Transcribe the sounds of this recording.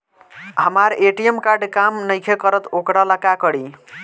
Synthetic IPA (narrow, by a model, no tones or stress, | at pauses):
ɦəmaɾeʈiemkaɾɖkamnəjkʰekəɾət̪okɽaləkakəɽi